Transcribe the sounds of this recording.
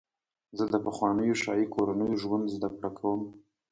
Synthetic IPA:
zəd̪əpaxwɑnəjoʃɑjikoɾanəjoʒwand̪zd̪akɽakʰawəm

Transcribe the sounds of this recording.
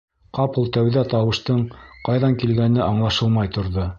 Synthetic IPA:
qɑpulˠt̪æwðæt̪ɑwɤ̆ʃt̪ɤɴqɑjðɑŋkilɡænɘʔɑɴlˠɑʃɤlˠmɑjt̪ŏɾðo

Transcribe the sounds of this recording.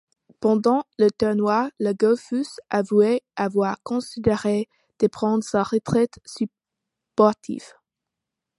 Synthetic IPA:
pɑ̃d̪ɑ̃lət̪ɛʁnwaləɡɔlfysavuɛavwaʁkɔ̃sid̪eʁe | d̪̥əpχɑ̃d̪ʁsaʁət̪χɛt̪sy | pɔʁt̪ʰḭv

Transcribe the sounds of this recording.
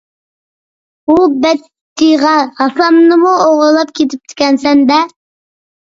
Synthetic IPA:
ubɛt̪ʰːiʁɑhɑsɑmnɨmuoʁɾlˠɑp̚kʲʰet̪ʰɪp̚t̪ʰɪ̥kʲɛnsɛnd̪ɛ

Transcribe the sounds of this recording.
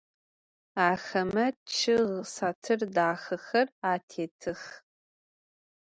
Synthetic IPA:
aːxɐmɐt͡ʃʰɨʁsatʰɨrdaːxɐxɐraːtʰeːtʰɨx

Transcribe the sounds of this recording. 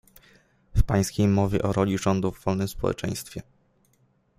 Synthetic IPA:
fpaj̃skʲejmɔvʲjɛ̰ʔɔɾɔlʲiʐɔnd̪uvːɔlnɘmspɔwɛ̰t͡ʂɛ̰̃j̃st̪fʲjɛ

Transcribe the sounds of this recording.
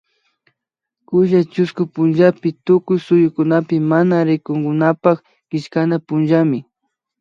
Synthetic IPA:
kʊʒat͡ʃʊskʊpʊnʒapɪt̪ʊkʊjsʊjʊkʊnapɪmanaɾɪkʊŋɡʊnapak | kɪʃkanapʊnʒamɪ

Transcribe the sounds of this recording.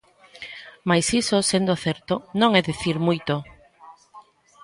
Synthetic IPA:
majsisosend̪oθɛɾt̪onõŋɛðiθiɾmujt̪o

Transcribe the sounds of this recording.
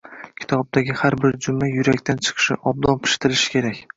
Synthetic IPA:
kʲʰɪ̥t̪ʰɒb̚d̪aɡʲɪhaɾbɪɾd͡ʒʊmːajʊɾakʲt̪ʰant͡ʃʰɨ̥qʰɨ̥ʃɪʔɒb̚d̪ɒnpʰɪ̥ʃt̪ɪɾɪʃɪ̥kʲʰe̞ɾakʲ

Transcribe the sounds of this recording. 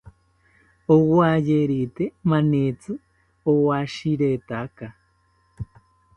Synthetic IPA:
owwajeɾit̪emanet͡sɨ | owaʃiɾet̪aka

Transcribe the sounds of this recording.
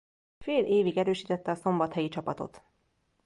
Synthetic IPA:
feːlʔeːviɡɛɾøːʃiːt̪ɛt̪ːɛɒso̞mbɒt̪hɛjit͡ʃɒpɒt̪o̰t̪

